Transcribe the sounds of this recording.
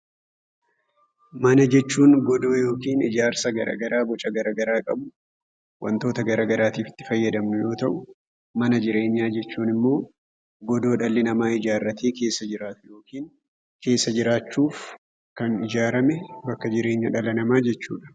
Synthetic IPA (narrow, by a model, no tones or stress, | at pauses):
mɐnɐd͡ʒɛt͡ʃːuːŋɡɔd̪o̞ːjo̞ːkiːnɪd͡ʒaːɾsɐɡɐɾʔɐ̰ːɡɐɾaːbɔt͡ʃʼɐɡɐɾɐɡɐɾaːkʼɐbʊ | wʔɐ̰nt̪o̞ːt̪ɐɡɐɾaːɡɐɾaːt̪iːfɪ̥t̪ːɪ̥fɐjːɐd̪ɐmnʊjo̞ːt̪ɐʔʊ | mɐnɐd͡ʒɪɾe̞ːɲːaːd͡ʒɛt͡ʃːuːnɪmːo̞ː | ɡɔd̪o̞ːᶑɐlːɪnɐmaːɪd͡ʒaːrːɐt̪ʰeːke̞ːsːɐd͡ʒɪɾaːt̪ʊjo̞ːkiːn | ke̞ːsːɐd͡ʒɪɾaːt͡ʃːuːf | kɐnɪd͡ʒaːɾɐmɛbɐkːɐd͡ʒɪɾe̞ːɲːɐᶑɐlɐnɐmaːd͡ʒɛt͡ʃːṵːᶑɐ̥